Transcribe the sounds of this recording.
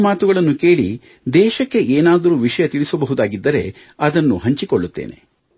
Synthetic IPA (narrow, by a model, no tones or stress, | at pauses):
maːt̪uɡɐɭɐnːuke̞ːɭḭ | d̪ɛːʃɐkːe̞ʔeːnaːd̪ɐɾuːʋiʂɐjɐt̪iɭisɐbɐɦud̪aːɡid̪ːɐɾe̞̰ | ɐd̪ɐnːuɦɐɲt͡ʃikoɭːut̪ːḛːne̞̰